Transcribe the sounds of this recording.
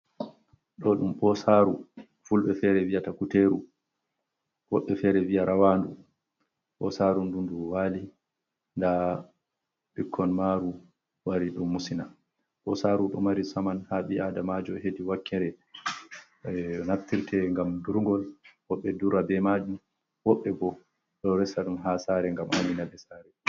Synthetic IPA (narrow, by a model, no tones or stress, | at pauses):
ɗɔɗumɓɔsaɾu | fulɓɛfɛɾɛviatakuteɾu | wɔɓːɛfɛɾɛvijaɾʔawandu | ɓɔsaɾundunduwali | nda | ɓikʰːɔnmaɾu | waɾiɗumːusina | ʔɔsaɾuɗɔmaɾisamanhaɓiadamad͡ʒɔhediwakːɛɾɛ | naftːiɾtʰɛŋɡamduɾŋɡɔlwɔɓːɛduɾabɛmad͡ʒu | wɔɓːɛbɔ | ɗɔɾɛsaɗumɦasaɾɛŋɡamʔa̰ninabɛsaːɾɛ